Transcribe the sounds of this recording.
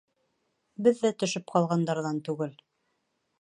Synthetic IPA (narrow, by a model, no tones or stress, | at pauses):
bɘ̆ðːæt̪ɵ̆ʃɵpqɑlˠʁɑnd̪ɑɾðɑnt̪ʉɡɘl